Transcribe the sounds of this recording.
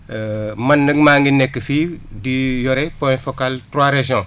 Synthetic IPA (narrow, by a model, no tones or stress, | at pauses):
mɐnːəɡmaŋɡinːekːəfidijoɾepõfokaltɾaɾeʃɔ̃